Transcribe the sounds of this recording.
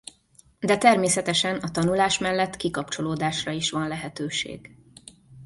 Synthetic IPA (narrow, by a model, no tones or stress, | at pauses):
d̪ɛt̪ɛrmeːsɛt̪ɛʃɛnɒt̪ɒnulaːʃmɛlːɛt̪ːkikɒpt͡ʃo̞loːd̪aːʃrɒiʃʋɒnlɛɦɛt̪øːʃḛːɡ